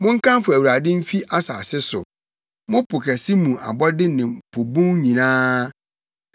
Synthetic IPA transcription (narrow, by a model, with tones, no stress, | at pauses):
mʊ̃˦ŋ˦kʰã˦m˦fʊ˨æ˨wu˨ɾa˨dɪ̃˦m̩˦fi˦ʔa˦saː˨sɪ˦sʊ̰˨ | mʊ̃˦pʰʊ˨kʰɛ˨sɪ˦mũ˨ʔa̰˨bɔ˦dɪ˦nɪ̃˨pʰo˨bũ˦ŋɲĩ˨nãː˦